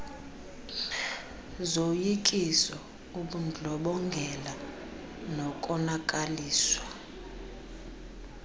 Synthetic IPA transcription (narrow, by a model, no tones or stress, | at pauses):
zojikʼisɔ | uɓund͡ɮʱɔɓɔŋɡʱɛla | nɔkʼɔnakʼaliːswa